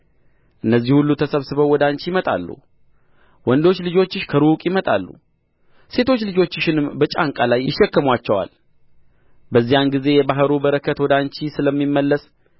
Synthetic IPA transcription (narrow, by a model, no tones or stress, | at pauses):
ʔɨnːəzːihulːut̪ʰəsəβsɨβəwːɔd̪ant͡ʃijmət̪ʼa̰lːṵ | wɔnd̪o̞t͡ʃːlɨd͡ʒo̞t͡ʃːɪʃkʰəɾukʼjɪmət̪ʼa̰lːṵ | se̞t̪ʰo̞t͡ʃːlɨd͡ʒo̞t͡ʃːɪʃɪnɨmbət͡ʃʼaŋkʼalajɪʃːɛkːəmwat͡ʃːɛwa̰l | bəzːijanɡize̞jɛbaɦəɾubəɾəkʰət̪wɔd̪ant͡ʃisɨləmːimːəlːəs